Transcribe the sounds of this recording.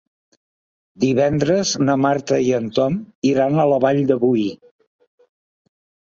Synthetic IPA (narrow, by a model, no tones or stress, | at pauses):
d̪iβɛnd̪ɾəznəmaɾt̪əiənt̪ɔmiɾanələβaʎd̪əβuj